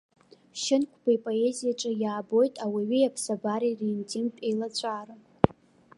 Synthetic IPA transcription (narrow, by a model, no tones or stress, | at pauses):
ʃɪnkʷʰb̥aipʼo̞e̞zijaʈ͡ʂʼɨjaːbo̞jtʼawiɥijapʰsabaɾirentʰʼinpʼejlat͡ɕʷʰʼaːɾa